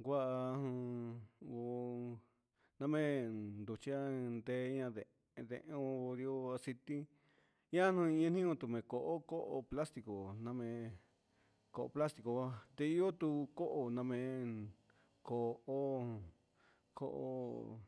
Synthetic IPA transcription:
ɡʷa˦ʔa˧hũ˧ | o˧ | nã˧mẽ˦nd̪u˧t͡ʃi˧˦a˦nd̪e˧˦˧ɲã˧ðe˧ | ðḛ̃˧ʔẽ˦o˧o˧ɾi˧o˧a˧si˧t̪i˦ | ɲã˦n̥ũ˧ĩ˧ɲã˧n̥ĩ˦õ˧t̪u˧˨mẽ˨˧ko˨ʔo˦ko˦ʔo˧pla˦st̪i˧ko˨nã˧mẽ˧ | ko˧ʔo̰˧pla˦st̪i˧ko˧a˧˦t̪e˧i˦o˦t̪u˧ko˦ʔo˧nã˧mẽ˧ | ko˨o˦ | kʰo̰˧ʔo̰˧

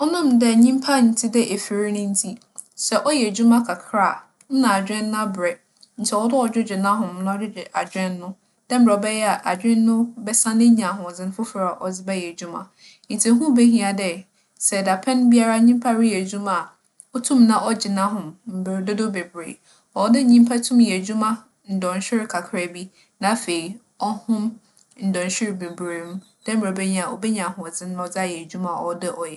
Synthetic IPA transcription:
ɔ˦nʊ̃˦mdɛ˦ɲĩ˦m˦pʰa˦n̩˨tʰi˦dɛ˦ʔe˨fɪ˨ɾi˦nʊ̃˦n̩˦tʰi˦ | sɛ˨ʔɔ˦jɛ˨d͡ʑu˦mã˦kʰa˨kʰɾa˦˨ | n̩˦nã˨a˨d͡ʑᶣɪ̃˦ñː˦a˦bɾɛ˨ | n̩˨t͡ɕʰɛ˨ɔ˦dɪ˦ɔ˨d͡ʑᶣɪ˦d͡ʑᶣɪ˨nã˦ɦʊ̃˨m˦nʊ̃˦d͡ʑɪ˦d͡ʑɪ˨ʔa˨d͡ʑᶣɪ̃˦nː˦ʊ̃˦ | d̥ɛ̃˦m̩˨bɾɛ˨ɔ˨bɛ˦jɛ˦a˨ʔa˨d͡ʑᶣɪ̃˦nːʊ̃˦bɛ˦sã˦nɪ̃˦ɲã˨ɦʊ̃˨d͡zɪ̃˨n˦fʊ˦fɾa˨ʔɔ˨d͡zɪ˦bɛ˦jɛ˨d͡ʑu˦mã̰˨ | n̩˨tʰĩ˨ɦũ˦be˦ɦĩ˦˨a˨dɛ˨ | sɛ˨da˨pʰɛ̃˦nbi˦a˦ɾa˦ɲĩ˦m˦pʰa˦ɾɪ˦jɛ˨d͡ʑu˦mã˨ | ɔ˦tʰũ˦mnã˦ɔ˦d͡ʑɪ˨nã˦ɦʊ̃˨mm̩˨be˨dʊ˦dʊ˦be˨bɾḛ˨ | ɔ˨˦dɪ˦˨ɲĩ˦m˦pʰa˦tʰũ˦mjɛ˨d͡ʑu˦mã˦ | n̩˨dɔ̃˨n˨ɕᶣɪ˦ɾɪ˨kʰa˨kʰɾa˨bi˦ | nã˨˦fe˨i˨ | ɔ˦hʊ̃˦m | n̩˨dɔ̃˨n˨ɕᶣɪ˦ɾɪ˨be˨bɾe˨m̩˦ | d̥ɛ˦m̩˨e˨bɛ˦ɲĩ˦a˨ɔ˨be˦ɲã˨hʊ̃˨ɔ˨d͡zɪ̃˦nʊ̃˦ɔ˦d͡za˦˨jɛ˨d͡ʑu˦mã˨ɔ̰˨˦dɪ˦ʔɔ˨jɛ˨

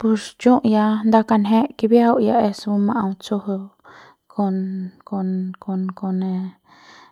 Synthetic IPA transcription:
pu˧st͡ʃũ˦ʔja˧nd̪a˧ka˧nɦẽ˦ʔki˧βi˦a˦u˦˧ja˧e˧su˧˦mã˧ʔũ˧t͡su˧hu˧ | kʰo˧nko˧nko˧nko˧nẽ˧

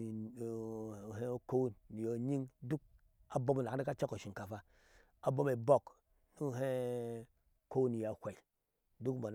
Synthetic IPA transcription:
ɦe˦ko˦wnːi˨jo˨ɲi˦ŋdu˦k̚ | a˨bo˦m˨la˨a˦a˦ka˦t͡ʃa˦ko˨ʃi˨ŋka˨fa˦ | a˨bo˦me˨bo˦k | nu˦˨ɦe˦˨ | ko˦wni˨ja˨kʷe˨i˨ | du˦kmo˨n

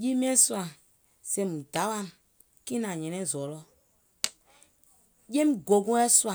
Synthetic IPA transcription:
ji˦m˦ɛ̃˦swa˨ | se˨mũ˨da˨˦wa˦˨n | kĩ˦nã˨ɲɛ̃˨nɛ̃˦˨zɔ˨lɔ˦ | je˦m˦ɡo˨ɡũ˦ɛ˦su˦a˨

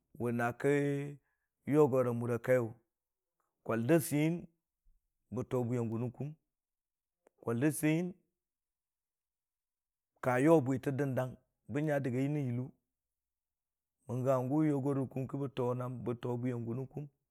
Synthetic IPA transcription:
wə˨na˨kə˦ | jo˦ɡo˨ɾa˨mu˨ɾa˨ka˦jo˨ | kʷo˨ldə˦si˦ji˦n | bə˨to˨bu˦ja˨ŋɡu˨nu˦ku˦m | kʷo˨ldə˦si˦ji˦n | ka˨jo˦˨bʷi˨tə˦də˦nda˦ŋ | bə˦ɲa˦də˨ɡa˨ji˦ni˦ji˨lu˦ | mə˨ŋɡa˨ŋɡu˦jo˦ɡo˦ɾu˨ku˦mkə˦bə˦to˨na˦mbə˨to˨bu˦ja˨ŋɡu˨nu˦ku˦m

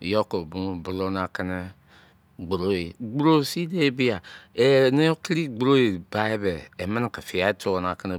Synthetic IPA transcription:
jo˦ko˨bu˦m˨bu˨lo˦na˨kɛ˦ne˦ | ɡ͡bɾo˦e˨ɡ͡bɾo˦˨si˦de˦bi˦a˨e˨ne˦o˦ki˦ɾi˦ɡ͡bɾo˦e˨ba˨e˦beː˨mə˦na˨ka˨fi˨a˦tʰo˦wo˨na˨ke˦ne˨

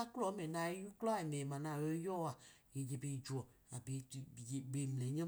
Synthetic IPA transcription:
a˦klɔ˦mɛ˨nã˨i˦ju˦klɔ˦˨e˨nẽ˨mã˨nã˨we˦jɔ˦a˨je˨d͡ʒe˨be˨i˨d͡ʒu˨ɔ˨ | a˨be˨˦˨ɡ͡be˨m˨lɛ˨˦ɲə̃˦

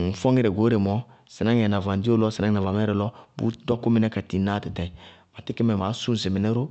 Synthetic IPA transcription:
n̩˨fɔ˦ŋi˦ɾɛ˨ɡo˨˦ɾe˨mɔ˦ | si˨na˦ɛ˨na˨va˨n˨di˦o˦lɔ˦si˨a˦ŋ˦˨a˨va˨mɛ˦ɾɛ˨lɔ˦bṵ˦dɔ˦ku˦mi˦nɛ˦ka˨ti˨˦na˦˨ti˨tɛ˨ma˨ti˦ki˦mɛ˨ma˨˦su˦n˨s̬i˨mi˨nɛ˦ɾo˦

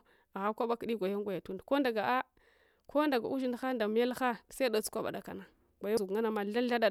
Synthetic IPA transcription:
a˨ɣa˦kʷa˦ɓa˦kɗi˦ɡʷa˨ja˦ŋɡʷa˨ja˨tu˦ndko˦nda˨ɡa˨ʔa˦ | ko˦da˨ɡa̰˨ʔu˦ʒi˦n˨˦xa˦nda˨m˦ja˦lxa˦sa˦da˨t͡su̥˦kʷa˦ɓa̰˨da˨ka˨na˨ | ɡʷa˨ja˦u˨ŋa˦na˨ma˨ɬa˦ɬa˦da˦˨

